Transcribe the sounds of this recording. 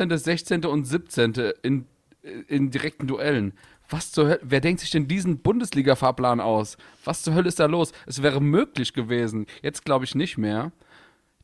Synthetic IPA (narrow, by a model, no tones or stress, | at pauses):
eːntəzɛçt͡seːntəʊntz̥ɪp̚t͡seːntəɪn | ɪndiʁɛk̚tn̩duʔɛlən | v̥ast͡suhœləveːɐdɛŋktz̥ɪçd̥ɛndiːzn̩bʊndəsliːɡafaːɐpl̥aːnʔa̰ʊsv̥ast͡suɦœləɪstd̥aːloːsʔɛsv̥ɛːʁ̞əmøːklɪçɡ̥əveːzn̩jɛt͡stɡ̥laʊbəɪçnɪçtmeːɐ